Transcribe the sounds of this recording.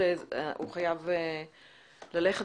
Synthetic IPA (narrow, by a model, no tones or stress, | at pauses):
ḛṵχajave | laleχe